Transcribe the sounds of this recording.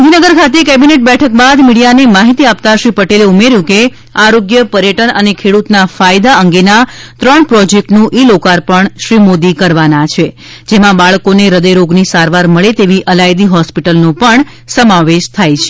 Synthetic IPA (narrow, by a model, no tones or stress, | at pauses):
d̪ʱinəɡəɾkʰat̪̬ekɛbineʈ̚bɛʈʰəkbad̪miɽijanemaɦit̪iap̚t̪aʃɾipəʈeleumeɾjũke | aɾoɡjəpəɾjəʈənənekʰeɽut̪nafajd̪aəŋɡenat̪ɾəɳpɾɔd͡ʒek̚ʈnũʔilokaɾpəɳʃɾimod̪ikəɾʋanat͡ʃʰe | d͡ʒemãbaɭkoneɾəd̪əjɾoɡnisaɾʋaɾməɭet̪eʋiʔəlajd̪iɦɔspiʈəlnũpəɳ | səmaʋeʃt̪ʰajt͡ʃʰe̥